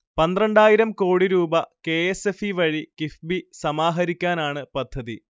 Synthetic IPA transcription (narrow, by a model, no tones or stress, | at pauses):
pɐnd̪rɐɳɖaːjiɾɐmko̞ːɽiɾuːbɐke̞ːesefiʋɐɻikifbisɐmaːɦɐɾikʲːaːnaːɳɨpɐd̪ʱːɐði